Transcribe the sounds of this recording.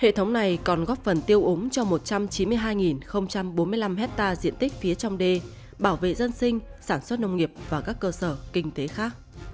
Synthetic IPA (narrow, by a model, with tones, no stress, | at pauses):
hḛ˧˨t̪ʰə˨˦wŋ͡mna˨˩jkɔ˨˩nɣɔ˦˥p̚fə˨˩nt̪i˧əwʔʊ˨˦ŋ͡mt͡ɕɔ˧mo˨˩t̚t͡ɕa˧mt͡ɕi˨˦nmɨ˧əjɦaː˧jŋi˨˩nxə˧wŋ͡mt͡ɕa˧mɓo˨˦nmɨ˧əjla˧mɦɛ˦˥t̚t̪aː˧zḭ˧˨ənt̪i˦˥k̟̚fi˨˦ət͡ɕɔ˧wŋ͡mɗe˧ | ɓaː˧˩wvḛ˧˨zə˧nsï˧ŋ̟saː˧˩nswə˦˥t̚nə˧wŋ͡mŋi˨˩əp̚vaː˨˩kaː˦˥kːəː˧səː˧˩kï˧ŋ̟t̪e˨˦xaː˦˥k̚